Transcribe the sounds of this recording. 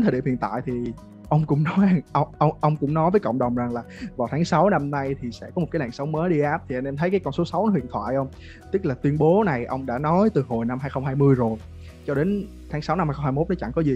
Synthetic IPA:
nt̪ə˨˩˨ḭ˧˨mhḭ˧˨nt̪a̰ː˧˨jt̪ʰi˨˩ | ʔə˧wŋ͡mkʊ̰˧˥ŋ͡mnɔ˨˦jʔʔə˧wʔə˧wŋ͡mʔə˧wŋ͡mkʊ̰˧˥ŋ͡mnɔ˨˦jvəː˨˦jkə̰˧˨wŋ͡mɗə˨˩wŋ͡mza˨˩ŋlaː˨˩vaː˨˩t̪ʰːŋsa˨˦wna˧mna˧jt̪ʰi˨˩sɛ̰˧˥kɔ˨˦m̚˨˩kaː˨˦la̰˧˩nsə˨˦wŋ͡mməː˨˦jɗi˧ʔaː˦˥p̚t̪ʰi˨˩ʔɛ˧nʔɛ˧mt̪ʰə˨˦jkaː˨˦jkɔ˧nso˨˦sa˨˦wn˦hwḭ˧˨ənt̪ʰwa̰ː˧˨jʔə˧wŋ͡m | t̪ɨ˦˥k̚laː˨˩t̪wi˧ənɓo˨˦na˨˩jʔə˧wŋ͡mɗa̰ː˧˥nɔ˨˦jt̪ɨ˨˩ho˨˩jna˧mhaː˧jxə˧wŋ͡mɦaː˧jmɨ˧əjzo˨˩j | t͡ɕɔ˧ɗe˨˦n | t̪ʰaː˨˦ŋsa˨˦wna˧mhaː˧jxŋ͡mhaː˧mo˦˥t̚nɔ˨˦t͡ɕa̰˧˩ŋkɔ˨˦zi˨˩

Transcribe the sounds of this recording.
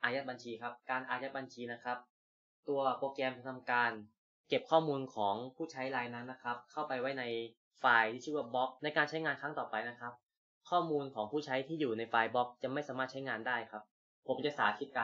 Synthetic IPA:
ʔaː˧jaː˦˥t̪̚ba˧nt͡ɕʰiː˧kʰa˦˥p̚kaː˧nʔaː˧ja˦˥t̪̚ba˧nt͡ɕʰiː˧na˦˥kʰa˦˥p̚ | t̪u˧ɐpoː˧kɛː˧m˧t̪ʰa˧mkaː˧n | ke˨˩p̚kʰɔː˥˩muː˧nkʰɔː˩˦ŋpʰuː˥˩t͡ɕʰa˦˥jlaː˧jnaː˦˥nːa˦˥kʰɾa˦˥p̚kʰa˥˩wpa˧jwa˦˥jna˧j | faː˧jt̪ʰiː˥˩t͡ɕʰɯ˥˩waː˥˩bɔ˦˥k̚na˧jkaː˧nt͡ɕʰa˦˥jŋaː˧nkʰa˦˥ŋt̪ɔː˨˩pa˧jna˦˥kʰa˦˥p̚ | kʰɔː˥˩muː˧nkʰɔː˩˦ŋpʰuː˥˩t͡ɕʰa˦˥jt̪ʰiː˥˩juː˨˩na˧jfaː˧jbɔ˦˥k̚t͡ɕa˨˩ma˥˩jsaː˩˦maː˥˩t̪̚t͡ɕʰa˦˥jŋaː˧ndaː˥˩jkʰa˦˥p̚ʰː | o˩˦mt͡ɕa˨˩ʔsaː˩˦kʰi˦˥t̪̚ka˧

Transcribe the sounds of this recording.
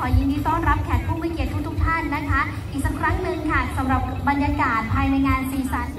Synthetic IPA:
ɔː˩˦ji˧ŋdiː˧t̪ɔː˥˩nɾa˦˥p̚kʰɛː˨˩t̪̚pʰuː˥˩ma˥˩ki˨˩ət̪ʰːu˥t̪u˦˥k̚t̪ʰa˥˩nːa˦˥kʰa˦˥ | ʔiː˨˩k̚sa˨˧˩kʰɾa˦˥ŋnɯ˧ŋkʰa˥˩sa˩˦mɾa˨˩p̚ba˧njaː˧kaː˨˩t̪̚pʰːaː˧jna˧jŋaː˧nsiː˨˦sa˨˦n

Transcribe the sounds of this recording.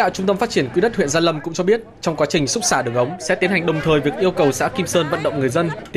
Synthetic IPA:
a̰˧˨wt͡ɕʊ˧ŋ͡mt̪ə˧mfaː˦˥t̚t͡ɕi˧˩ənkwi˨˧˥ɗə˦˥t̚hwḭ˧˨nzaː˧lə˧mkʊ̰˧˥ŋ͡mt͡ɕɔ˧ɓi˦˥ət̚t͡ɕɔ˧wŋ͡mkwa˨˦t͡ɕï˨˩ŋ̟sʊ˦˥k͡p̚saː˧˩ɗə˨˩əŋʔə˨˦wŋ͡msɛ̰˧˥t̪i˨˦əna˨˩ŋ̟ɗə˨˩wŋ͡mt̪ʰəː˨˩jvi˨˩ək̚ʔi˧əwkə˨˩wsa̰ː˧˥ki˧msəː˧nvə̰˧˨nɗə̰˧˨wŋ͡mŋɨ˨˩əjzə˧n

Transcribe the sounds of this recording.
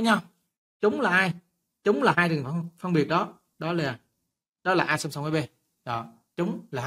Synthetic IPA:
ɲa˧w | t͡ɕʊ˨˦ŋ͡mlaː˨˩ʔaː˧j | t͡ɕʊ˨˦ŋ͡mlaː˨˩ɦaː˧jlɨ˨˩ŋ˧ŋ͡mfə˧ŋ͡mɓi˨˩ət̚ɗɔ˨˦ | ɗɔ˨˦laː˨˩ | ɗɔ˨˦laː˨˩ʔaː˧jsa˧msa˧wŋ͡mʔə˨˦ɓe˧ | ɗɔ̰˨˩ | t͡ɕʊ˨˦ŋ͡mlaː˨˩

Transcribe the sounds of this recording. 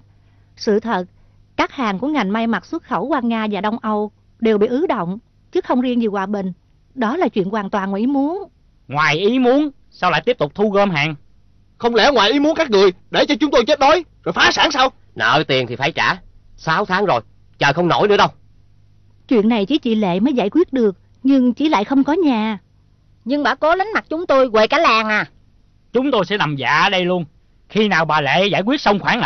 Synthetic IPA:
sɨ̰˧˨t̪ʰə˨˩t̚ | kaː˦˥k̚haː˨˩ŋku˧˥əŋa˨˩jŋ̟ma˧jma˨˩t̚swə˦˥t̚xə˧˩wkwaː˧ŋaː˧vaː˨˩ɗə˧wŋ͡mʔə˧w | ɗe˨˩wɓḭ˧˨ʔɨ˨˦ɗə̰˧˨wŋ͡m | t͡ɕɨ˦˥xə˧wŋ͡mzi˧ənzi˨˩kwaː˨˩ɓï˨˩ŋ̟ | ɗɔ˨˦laː˨˩t͡ɕwḭ˧˨ənkwaː˨˩nt̪waː˨˩nkwʔi˨˦mu˨˦ən | ŋwaː˨˩jʔi˨˦mu˨˦ən | saː˧wla̰ː˧˨t̪i˦˥p̚t̪ʊ˨˩k͡p̚t̪ʰu˧ɣəː˧mɦa̰ː˧˨˩ŋ | xə˧wŋ͡mlɛ˧˩˦ŋwaː˨˩jʔi˨˦mu˨˦ənkaː˦˥k̚ŋɨ˨˩əjɗe˧˩t͡ɕɔ˧t͡ɕʊ˨˦ŋ͡mt̪o˧jt͡ɕe˦˥t̚ɗo˨˦jzo˨˩jfaː˨˦saː˧˦ŋsaː˧w | nə̰ː˧˩jt̪i˨˩ənt̪ʰi˨˩faː˧˩jt͡ɕa̰ː˧˩˥ | saː˨˦wt̪ʰaː˨˦ŋzo˨˩j | t͡ɕəː˨˩xə˧wŋ͡mno̰˧˩jnɨ̰˧əɗə˧w | t͡ɕwḭ˧˨ənːa˨˩jt͡ɕḭ˧˩˦t͡ɕḭ˧˨lḛ˧˨məː˨˦jzaː˧˩jkwi˦˥ət̚ɗɨ˨˩ək̚ | ɲɨ˧ŋt͡ɕḭ˧˩la̰ː˧˨jxə˧wŋ͡mkɔ˨˦ɲaː˨˩ | ɲɨ˧ŋɓa̰ː˧˥˦kɔ˨˦la˨˦ŋ̟ma˨˩t̚t͡ɕʊ˨˦ŋ͡mt̪o˧jɣwe˨˩kaː˨˦jlaː˨˩ŋʔaː˨˩ | t͡ɕʊ˨˦ŋ͡mt̪o˧jsɛ̰˧˥na˨˩mza̰ː˧˨ʔɗə˧jlu˧ən | xi˧naː˨˩wɓaː˨˩lḛ˧˨zaː˧˩jkwi˦˥ət̚sə˧wŋ͡mxwaː˧˩n˧˨

